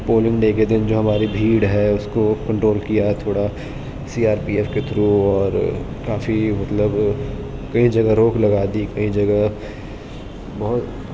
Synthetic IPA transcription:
poːlɪ̃ŋɡneːked̪ɪnd͡ʒoːɦɐmaːɾibʱiːɽɦɛʊskokɐ̃ɳʈɾoːlkijat̪ʰoːɽa | siːaːɾpiːɛːfket̪ʰɾoɔːɾ | kaːfimɐt̪ləb | kɐĩd͡ʒɐɡəɾoːklɐɡaːd̪ikɐĩd͡ʒɐɡə | bɐɦʊt̪

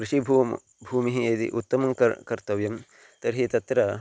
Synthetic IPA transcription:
kɾuʂibʱuː | bʱuːmiɦied̪ḭʔut̪ːɐmɐmkkɐɾt̪ɐʋjɐm | t̪ɐɾɦit̪ɐt̪ɾɐ

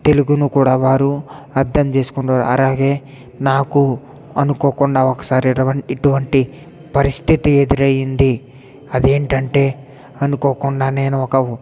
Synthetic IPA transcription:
t̪e̞luɡunukuːɽaːʋaːɾuɐɾd̪ʱɐmt͡ʃe̞ːsu̥kuɳʈaːɾṵɐ̰laːɡe̞ː | naːku | ɐnuko̞ːkuɳɖaːɔkːɐ̥saːɾiɐʋɐiʈuʋɐɳʈi | pɐɾist̪ʰit̪ied̪iɾɐjind̪i | ɐd̪e̞ːɳʈɐɳʈe̞ː | ɐnuko̞ːkuɳɖaːne̞ːnuɔkɐ

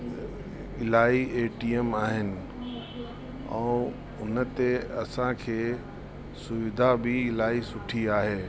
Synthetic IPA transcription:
ɪlaːieːʈiemaːɦɪnɪ̆ | ɛ̰̃ː | ʊnə̆t̪eɐsãkʰeː | sʊʋɪd̪ʱabʱɪɪlaːisʊʈʰiaːɦeː

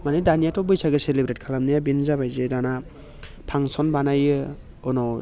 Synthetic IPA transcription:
manidanijatɔbɯjsaɡɯselebɾet̚kʰalamnijabinzabajzedana | pʰaŋsɔnbanajɯ | ɯnɔ

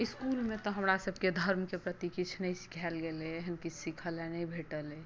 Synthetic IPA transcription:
iskulmẽt̪ɔɦəmɾasəb̚ʱked̪ʱəɾmkepɾət̪ikit͡ʃʰnəjsi̥kʰɛlɡeleeɦənkit͡ʃʰsikʰəlɛnəibʱeʈəle

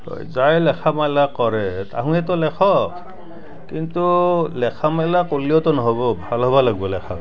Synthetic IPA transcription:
hɔ̰jzajlɛkʰamalakɔɹɛtaɦũɛtɔlɛkʰɔ | kintulɛkʰamalakoliɔtɔnɔɦɔβɔbʱalɦɔβalaɡbɔlɛkʰa

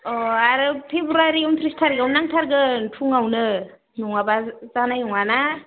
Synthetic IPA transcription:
ɔaɾɯpʰebɾuaɾiunt̪ʰɾistʰaɾiɡawnaŋtʰaɾɡɯntʰuŋawnɯ | nuŋabazanajnɔŋana

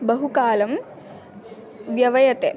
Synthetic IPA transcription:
bɐɦukaːlɐm | ʋjɐʋɐjɐt̪e

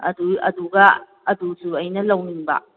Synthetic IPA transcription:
ɐ̰duɐ̰duɡɐ | ɐdusuɐjnɐlɐwniŋbɐ̰

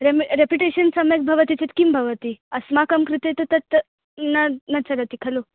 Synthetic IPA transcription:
ɾemɾepjuʈeɕənsɐmek̚bʱɐʋət̪it͡set̪kimbʱɐʋət̪iɐsmakɐmkɾit̪et̪ɐt̪ɐt̪ | nɐnɐt͡sɐɾɐt̪ikʰɐlo

